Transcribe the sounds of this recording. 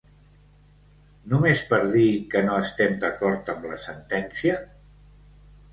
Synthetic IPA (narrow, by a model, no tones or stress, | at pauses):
numespəɾðikənoəst̪ɛmd̪əkɔɾt̪əmləsənt̪ɛnsiə